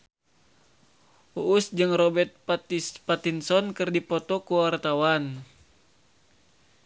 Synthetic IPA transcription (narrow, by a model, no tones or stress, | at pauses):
uʔːsd͡ʒɨŋrɔbɛrt̪̚p̪pat̪insɔnkɨrdipɔt̪ɔkuwart̪awan